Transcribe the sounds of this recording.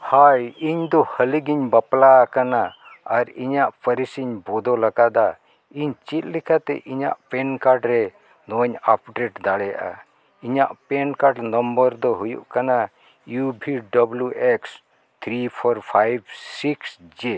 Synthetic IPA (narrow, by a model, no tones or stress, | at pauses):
hajiɲd̪ɔhəliɡiɲbaplakanaː | ɾiɲaʔpʰəɾisiɲbɔd̪ɔlaɡad̪a | iɲt͡ʃit̪̚likʰat̪ɛ̰ʔiɲa̰ʔpɛnkaɾɖɾɛ | nɔɲapɖɾeʈd̪aɽɛja̰ʔa̰ | iɲaʔpɛnkaɾɖnɔmbəɾd̪ɔɦujṵʔkana | jubʱiɖɔbljuʔeks | t̪ʰɾipʰɔɾpʰajbsiksd͡ʒe